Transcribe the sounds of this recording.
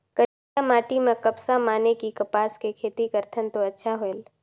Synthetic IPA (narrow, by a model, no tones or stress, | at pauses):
kə | amaːʈimẽkɐpsamaːnekikɐpaːskekʰeːt̪ikəɾt̪ʰənt̪oɐtːʃʰaɦoel